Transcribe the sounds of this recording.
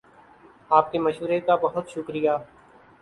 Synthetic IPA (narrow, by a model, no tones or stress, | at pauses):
aːp̚kiməʃɦuːɾekabɐɦʊt̪ʃʊkɾɪjaː